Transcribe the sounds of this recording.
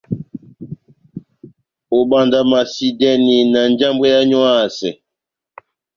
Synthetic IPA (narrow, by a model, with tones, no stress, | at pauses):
o˨ɓa˨nda˨ma˨si˨dɛ˦ni˨na˨n˦d͡ʒa˦mbɛ˦ja˦ɲwa˦˨sɛ˨